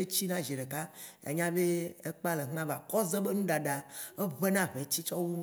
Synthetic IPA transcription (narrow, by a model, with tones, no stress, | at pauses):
e˦t͡ɕi˦nã˦ʒi˨ɖe˨ka˦ | ḛ˦ɲã˦be˦e˦k͡pa˦le˨ɦã˦va˨kɔ˦ze˦be˦nũ˦ɖa˨ɖa˨e˦ve˦nã˦ɸe˨t͡ɕi˦t͡ʃɔ˦wu˦